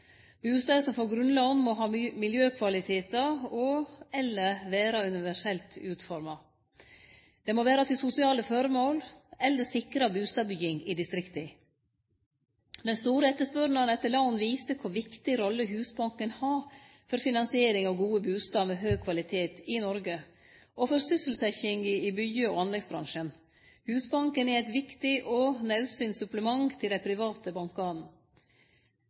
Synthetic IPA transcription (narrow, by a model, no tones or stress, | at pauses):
bʉːst̪ɑːsɔmfoːɾɡɾʉnlɑnmɔɦɑːmɪljøːkʰʋɑlɪt̪ʰeːt̪ɑɔɛlːəʋeːɾɑʉnɪʋæʂɛlt̪ʉːt̪fɔɾmɑ | d̪̥ɛmoːʋeːɾɑt̪ʰɪlsʊsɪɑːləfœɾəmoːlɛlːəsɪkɾɑbʉːst̪ɑːbʏɡɪŋɪd̪ɪst̪ɾɪkt̪əɪ | d̪ɛnst̪uːɾəɛt̪ːəʂpœɾnəənɛt̪ːəɭɑnnʋiːsəkʰʊʋɪkt̪ɪɾɔlːəɦʉːsbɑŋkənhɑː | fɔɾfɪnɑnsɪeːɾɪŋɑʋɡuːəbʉːst̪ɑːʋmeːɦøːkʰʋɑlɪt̪ʰeːt̪ɪnɔɾɡə | ʔɔfɔɾsʏsəl̩sɛçɪŋəɪbʏjøoɑnlɛɡsbɾɑ̰ŋʂən | hʉːsbɑŋkənɛɾæɪt̪ʋɪkt̪ɪʔɔnɑʉsyːnsʉpləmɑŋt̪ʰɪld̪æɪpʰɾɪʋɑːt̪əbɑŋkɑːnn̩